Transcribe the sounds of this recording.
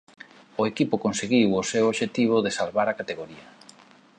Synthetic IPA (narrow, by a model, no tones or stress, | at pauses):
ʊekipʊkonseɣiwʊsewoβʃet̪iβ̞ʊðesalβaɾakat̪eɣoɾia